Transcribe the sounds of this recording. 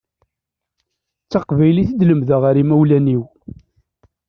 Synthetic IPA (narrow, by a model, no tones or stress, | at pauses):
t͡sːɑqvæjliθəd̪ləmðəʁaɾimæwlæniw